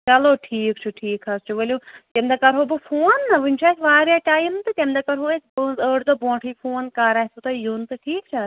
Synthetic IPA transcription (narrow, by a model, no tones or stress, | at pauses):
t͡ʃɐloːʈʰiːkt͡ʃʰuʈʰiːkʰɦɐst͡ʃʰuʋɐlʲuːt̪emd̪akɐɾɦoːbɨfʰoːnːɨʋunʲt͡ʃʰaːsʋaːɾjaːʈaːjimt̪ɨt̪ʲemd̪akɐɾɦoːesbunzəːʈd̪obõːʈʰiːfʰoːnkaɾaːsut̪ɐjunt̪ɨʈʰiːkt͡ʃʰa